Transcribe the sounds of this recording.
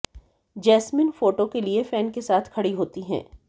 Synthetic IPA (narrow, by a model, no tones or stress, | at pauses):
d͡ʒɛːsmɪnfoːʈokeliefɛːnkesaːt̪ʰkʰɐɽiɦoːt̪iɦɛ̰̃ː